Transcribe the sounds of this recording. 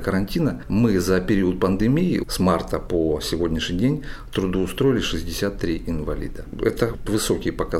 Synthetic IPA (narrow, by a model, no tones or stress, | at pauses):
kəɾɐnʲtʲinəmɨzəpʲɪɾʲiʊt̪̚pənd̪ɨmʲiḭsmart̪əposʲɪvo̞dʲnʲɪʂɲʲɪdʲenʲ | t̪ɾʊd̪uːst̪ɾo̞ɪlʲɪʂɨzʲdʲɪsʲat̪ːɾʲiʔɪnvɐlʲḭd̪ə | ɛ̰t̪əvɨso̞kʲɪjəpɐka